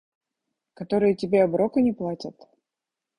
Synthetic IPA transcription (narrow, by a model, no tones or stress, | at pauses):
kɐt̪o̞ɾɨjətʲɪbʲeɐbɾokənʲɪplˠatʲət̪